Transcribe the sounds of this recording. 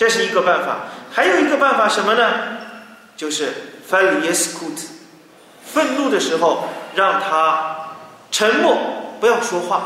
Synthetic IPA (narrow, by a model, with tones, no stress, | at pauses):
ʈ͡ʂə˥˧ʂɻ̩˥˩i˧˥ɡə˧pa˥˩nfa̰˨˩˦xa˧˥ɪjo˨˩ʊi˧˥ɡə˧pa˥˩nfa˨˩ʂə˧˥nmə˧nə˧ | t͡ɕjo˥˧ʊʂɻ̩˥˩fa˥li˨˩ɛ˥skʰu˥˩t̪ʰ | fə˥˧nlu˥˩d̪ə˩ʂɻ̩˧˥xo˧ʊɻɑ˥˩ŋt̪ʰa˥ | ʈ͡ʂʰə˧˥nmwɔ˥˩pu˧˥jɑ˥˩ʊʂwɔ˥xwa˥˩